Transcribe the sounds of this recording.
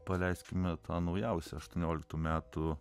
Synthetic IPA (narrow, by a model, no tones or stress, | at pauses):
pɐlʲɛɪsʲkʲɪmʲɛt̪ʰɑːnɐʊjɛʊsʲɛɐʃt̪uɔnʲoːlʲɪkt̪uːmʲæːt̪ʊ